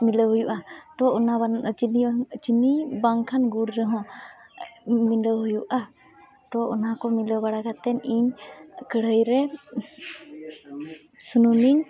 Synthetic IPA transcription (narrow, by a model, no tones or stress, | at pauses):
miləwɦujuʔat̪ɔɔna | t͡ʃinibaŋkʰanɡuɾːɛɦɔ̃ | miləwɦujuʔa | t̪ɔʔɔ̰nakɔmiləwɡaɽaɡat̪ɛniɲkəɽəjɾɛ | sunumiɲ